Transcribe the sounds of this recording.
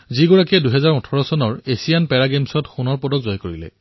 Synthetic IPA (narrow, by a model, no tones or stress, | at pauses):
ziɡɔɹakiɛduɦɛzaɹutʰɔɹɔsɔnɔɹesijanpɛɹaɡemsɔtxunɔɹpɔdɔkzɔjkoɹilɛ̰